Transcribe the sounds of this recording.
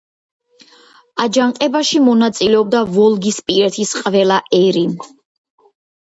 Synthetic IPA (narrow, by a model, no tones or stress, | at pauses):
ad͡ʒaŋqʼɛbaʃimɔnat̪sʼilɛɔb̚d̪avɔlˠɡispʼiɾɛt̪ʰisqʼvɛlˠaʔɛɾim